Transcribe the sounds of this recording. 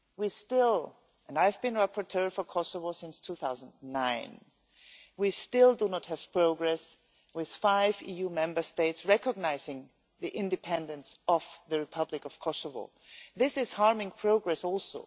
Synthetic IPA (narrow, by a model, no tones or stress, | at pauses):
wistɪlˠ | ə̃naɪvbɨ̃nɹapʰə˞tʰɜ˞fə˞kʰɔsəvoʊsɪ̃nstʰuθaʊzə̃n̩dnãɪ̃n | wistɪlˠdunɔt̚hɨv̥pʰɹ̥oʊɡɹɛs | wɪð̥faɪvijumɛ̃mbə˞steɪtsɹɛkəɡ̚naɪzɪ̃ŋ | ðiʔɪ̃ndɨpʰɛ̃ndɨ̃nsʔʌvðɨɹɨpʰʌblɪkʌv̥kʰɔsəvo̰ʊ | ðɪsɨz̥hɑɹmɪ̃ŋpʰɹ̥oʊɡɹɛsɔlˠsoʊ